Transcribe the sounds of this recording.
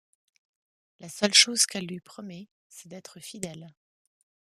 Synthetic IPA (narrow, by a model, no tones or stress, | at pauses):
lasœlʃozkɛlːɥipχɔmɛ | sɛd̪ɛt̪χəfid̪ɛl